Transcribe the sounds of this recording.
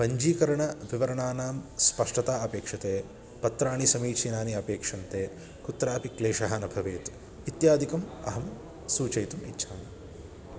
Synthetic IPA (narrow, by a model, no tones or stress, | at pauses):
pɐɲd͡ʒiːkɐɾɐɳɐʋiʋɐɾɐɳaːnaːmspɐʂʈɐt̪aːɐpeːkʂɐt̪eː | pɐt̪ɾaːɳisɐmiːt͡ʃʰiːnaːniɐpeːkʂɐnt̪eː | kut̪ɾaːpikleːʃɐɦaːnɐbʱɐʋeːt̪ | it̪jaːd̪ʱikɐmɐ̰ɦɐm | suːt͡ʃɐjt̪umḭtːʃʰaːnɐ